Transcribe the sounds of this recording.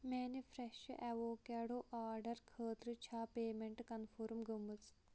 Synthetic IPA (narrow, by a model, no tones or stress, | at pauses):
meːnifʰɾeʃʔɛʋoːkaːɽoːʔaːɾɖɐɾkʰəːt̪ɾɨt͡ʃʰaːpeːmeɳʈkɐnfʰoːɾmɡɐmːut͡s